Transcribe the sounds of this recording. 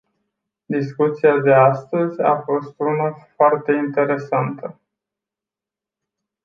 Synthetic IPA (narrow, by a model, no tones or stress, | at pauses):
d̪iskut̪siad̪e̞ast̪əzʲa̰fo̞st̪unafoart̪e̞int̪e̞ɾe̞sant̪ə